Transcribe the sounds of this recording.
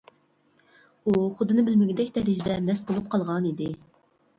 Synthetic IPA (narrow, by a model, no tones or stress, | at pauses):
uχʊd̪ɨnɨbɪlmɪɡʲɪd̪ɛkʲd̪ɛɾɪʒd̪ɛmɛsbolˠup̚qʰɑlˠʁɑnid̪ɪ